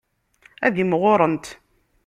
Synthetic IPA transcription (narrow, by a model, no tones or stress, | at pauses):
æðimʁʊɾˤənt̪